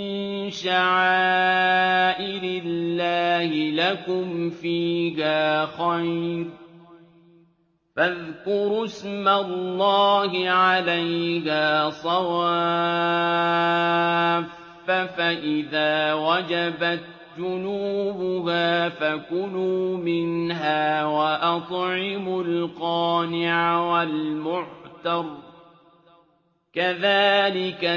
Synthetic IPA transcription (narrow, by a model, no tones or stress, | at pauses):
ɪnʃaʕaaː | ʔɪɾɪlːaːhɪlakʊmfiːɦaːxɑjɾ | faðkʊɾʊsmalːɑːɦɪʕalajhaːsˤɑwaː | f | afaʔɪðaːwad͡ʒabat̪̚ | d͡ʒʊnuːbʊɦaːfakʊnuːmɪnɦaːwaʔɑt̪ˤʕɪmʊlqɑːnɪʕawalmʊʕħt̪ɑɾˤ | kaðaːlɪka